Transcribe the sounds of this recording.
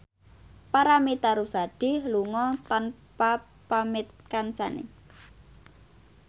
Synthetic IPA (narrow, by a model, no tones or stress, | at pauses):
paɾamit̪aɾusaɖ̥ɪ̤hluŋɔt̪anpa | pamɪt̪̚kant͡ʃanḛ